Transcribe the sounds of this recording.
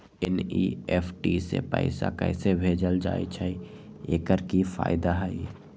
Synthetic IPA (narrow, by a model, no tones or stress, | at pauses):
ɛniɛːfʈisḛpə̰ɪsa̰kɛːsebʱeːd͡ʒəld͡ʒa̰ːḭt͡ʃʰaieːkəɾkifa̰ːɪd̪aɦɛi